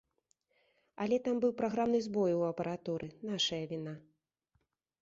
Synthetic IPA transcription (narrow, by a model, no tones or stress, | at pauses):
ɐlʲɛt̪ambɨwpɾaɣɾamnɨzbɔjuɐpɐɾat̪uɾʔɨnaʂɐjɐvʲina